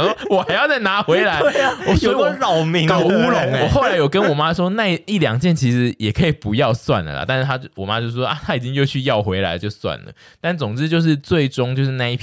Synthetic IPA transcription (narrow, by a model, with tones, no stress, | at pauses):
wɔ˨˩xa˧ɪjɑ˥˧ʊt͡sa˥˩ɪna˧˥xwe˧˥ɪla˧˦ɪ˥˨wɔ˨˩ɔ˥˧˦ɻɑ˨˩ʊmi˧˦ŋku˥lʊ˨˦ŋ˨˩xo˥˩ʊla˨˧˦ɪjo˨˩ʊkə˦˥nwɔ˨˩ma˦˥ʂwɔ˥na˥˧˨i˥˩ljɑ̰˨˩ŋt͡ɕjɛ˥˨nt͡ɕʰi˧˥ʂɻ̩˨˦jɛ˨˩kʰə˧˥i˨˩pu˨˦jɑ˥˧ʊswa̰˥˨nlə̰˨˩lɐ̰˨t̪a˥˧n̩˥t̪ʰa˥t͡ɕwɔ˨˩ma˦t͡ɕjo˥˧ʊ˥˩wɔ˥ʔa˦˧t̪ʰa˥i˨˩t͡ɕi˦ŋjo˥˧ʊt͡ɕʰy˥˧jɑ˥˩ʊxwe˧˥ɪla̰˧˦ɪt͡ɕjo˥˧ʊswa̰˨˩nlə̰˩ | t̪a˥˩nt͡sʊ˨˩ŋt͡sɻ̩˦˥t͡ɕjo˥˧ʊʂ̬ɻ̩˥˧t͡swe˥˩ɪʈ͡ʂʊ˥ŋt͡ɕjo˥˧ʊʂ̬ɻ̩˥˧na˥˧i˥˩pʰ